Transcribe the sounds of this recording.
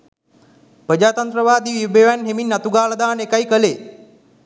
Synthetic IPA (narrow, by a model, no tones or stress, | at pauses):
prəd͡ʒaːt̪ant̪ɾəʋaːd̪iːʋibeʋænɦeminːat̪uɡaːləd̪aːnekajkəleː